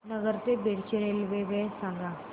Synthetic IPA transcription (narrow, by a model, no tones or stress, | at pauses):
nəɡəɾt̪ebʱeɽ̤t͡ɕeɾelʋeʋesãŋɡã